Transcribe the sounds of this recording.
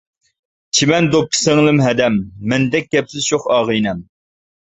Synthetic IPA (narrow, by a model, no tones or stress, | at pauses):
t͡ʃʰimɛnd̪op̚kʲʰi̥sɪŋlˠɨmɦɛd̪ɛmːɛnd̪ɛk̚ʲɡ̥ʲɛpsɪzʃʰoχɑːʁɨjnɛm